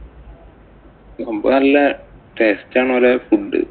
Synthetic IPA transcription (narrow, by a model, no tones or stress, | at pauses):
ɡombo̰nɐlːɐʈeːstːaːɳːlefuɖːɨ̰